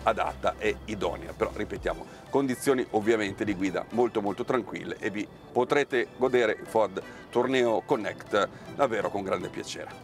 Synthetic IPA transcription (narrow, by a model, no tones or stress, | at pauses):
ad̪a̰t̪ːa̰ʔeid̪ɔ̰nea̰peɾɔripet̪ja̰ːmo | kond̪it̪sːjoːniʔovːjament̪ed̪iɡwiːd̪a̰molt̪omolt̪ot̪ɾaŋkwḭlːḛʔevi | pot̪ɾeːt̪eɡod̪eːɾeʔifɔrd̪ | t̪urnɛːokonːɛkt̪ | d̪avːeːɾokoŋɡɾand̪epja̰t͡ʃḛːɾe